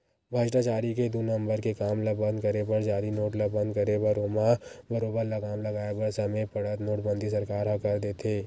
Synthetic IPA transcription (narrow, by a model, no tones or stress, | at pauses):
bʱad͡ʒʈat͡ʃaːɾiked̪unɐ̃mbəɾkekaːmlɐbə̃nd̪kɐɾebɐɾd͡ʒaːɾinoːʈlɐbə̃nd̪̚kɐɾebɐɾoːmabɐɾoːbəɾlɐɡaːmlɐɡaːebəɾsɐmẽpɐɽət̪noːʈbə̃nd̪ʱisɐɾkaːɾɦɐkɐɾd̪eːt̪ʰeː